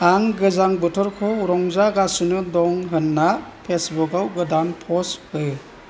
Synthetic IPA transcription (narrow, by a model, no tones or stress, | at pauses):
aŋɡɯzaŋbɔtʰɔɾkʰɔɾɔŋzaɡasunɯdɔŋɦɯnːapʰesbukawɡɯdanpʰɔshɯ